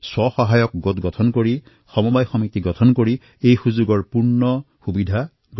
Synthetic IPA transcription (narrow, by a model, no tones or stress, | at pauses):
swɔxɔɦajɔk̚ɡot̪ɡɔtʰɔnkoɹi | xɔmɔbajxɔmit̪iɡɔtʰɔnkoɹi | ejxuzuɡɔɹpuɹnɔ | xubid̪ʱa | ɡ